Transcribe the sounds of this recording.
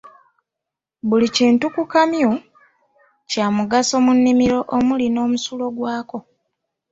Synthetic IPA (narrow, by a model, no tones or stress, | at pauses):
βuliceːntukukamju | caːmuɡaso̞munːimiɾo̞ʔomulino̞ːmusulo̞ɡwaːko̞